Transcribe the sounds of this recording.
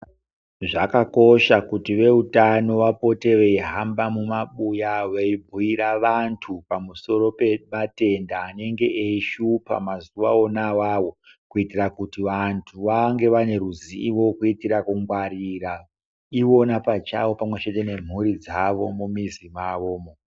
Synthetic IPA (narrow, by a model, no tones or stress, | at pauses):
ʐakako̞ʃakutiʋe̞utano̞ʋapo̞te̞ʋeiɦambamumaɓujaʋeibʱuiɾaʋantʰupamuso̞ɾo̞pe̞mate̞ndaːne̞ŋɡe̞ʔeiʃupa̰mazuʋa̰onawawo̞ | kuitirakutiʋantʰuʋaŋɡe̞ʋane̞ɾuziiʋo̞kuitiɾakuŋɡwaɾira | io̞napat͡ʃawo̞pamwe̞t͡ʃe̞te̞ne̞m̤uɾid͡zaʋo̞̰mumizimaʋoːmo